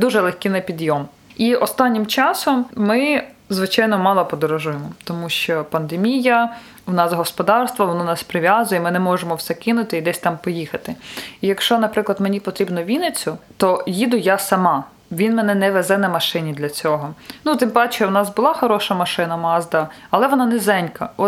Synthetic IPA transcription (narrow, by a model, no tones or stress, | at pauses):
d̪uʒɛlˠɛxkʲɪnɛpʲid̪jɔm | iʔɔst̪ɑnʲːimt͡ʃɑsɔmːɪzʋɪt͡ʃɑjnɔmɑlˠɔpɔd̪ɔɾɔʒujemɔt̪ɔmuʃt͡ʃɔpɐnd̪emʲijɐ | wnɑsɦɔspɔd̪ɑrst̪ʋɐʋɔnɔnɑspɾɪʋʲjazʊjɛmɪnɛmɔʒemɔwsɛkɪnʊt̪ɪid̪ɛsʲt̪ɑmpɔjixɐt̪ɪijɐkʃt͡ʃɔnɐpɾɪklˠɐd̪menʲipɔt̪ɾʲibnɔʋʲinɪt͡sʲʊt̪ɔjid̪ʊjasɐmɑ | ʋʲinmɛnɛnɛʋɛzɛnɐmɐʃɪnʲid̪lʲɐt͡sʲɔɦɔnut̪ɪmpɑt͡ʃʲɛwnɑsbʊlˠɑxɔɾɔʃɐmɐʃɪnɐmɑzd̪ɐɐlˠɛʋɔnɑnɛzɛnʲkɐɔ